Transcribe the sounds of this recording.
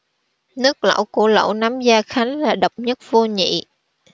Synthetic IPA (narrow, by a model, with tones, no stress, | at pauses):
nɨ˦˥k̚lə̰˧˥wku˧˩ələ̰˧˥˨wna˨˦mzaː˧xa˨˦jŋlaː˨˩ɗə˨˩wk͡p̚ɲə˦˥t̚vo˧ɲḭ˧˨